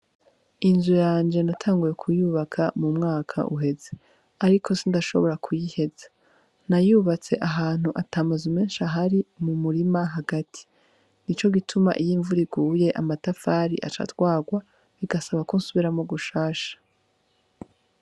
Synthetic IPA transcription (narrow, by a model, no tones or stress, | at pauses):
inzujaːnd͡ʒe̞natʰaːŋɡuje̞kʰujuːβakʰamumŋaːkʰa̰ʔuɦe̞ze̞ | aɾikʰo̞sindaʃo̞̰βo̞ɾakʰujihe̞za | najuːβat͡se̞̰ʔaɦaːn̥uʔataːmazumeːnʃaɦaɾimumuɾimaɦaɡatʰi̥ | nit͡ʃo̞ɡitʰuma̰ʔijiɱvuɾiɡuːje̞ʔamatafaːɾḭʔa̰t͡ʃa̰tɡwaːɡwa | βiɡasaβakonsuβiɾamoɡuʃaːʃḁ